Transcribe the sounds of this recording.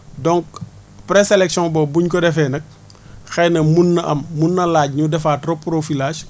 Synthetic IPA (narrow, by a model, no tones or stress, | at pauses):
dɔŋk̚ | pɾɛselɛksijɔ̃ŋbɔbuɲkɔdɛfɛːnɐk̚ | xɛjnɐmunːɐʔɐmːunːɐlaːɟ̚ɲudɛfaːtropːɾofilaːʃ